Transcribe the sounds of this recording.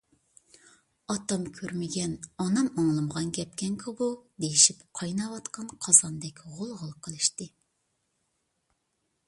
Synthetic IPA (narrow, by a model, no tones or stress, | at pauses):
ɑt̪ɑmkʲʰøɾmɪɡʲɛnɑnɑmɑŋlˠɨmʁɑnkʲɛpkʲɛŋkʰɑbud̪ejiʃipqʰɑjnɑwɑt̪qʰɑnqʰɑzɑnd̪ɛkʲʁolˠʁəlˠqʰəlˠɨʃt̪ɨ